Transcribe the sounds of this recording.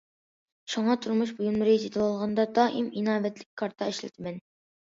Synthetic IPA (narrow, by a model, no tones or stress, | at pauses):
ʃuŋɑt̪ʰuɾmuʃbujunmɨɾd͡ʒʰid̪ʰɨlɑlˠʁɑnd̪ɑd̪ɑːʔiminɑːvɛt̪lɪk̚ʲkʰːɑɾt̪ʰɑɛʃlɪ̰t̪ʰɪmɛn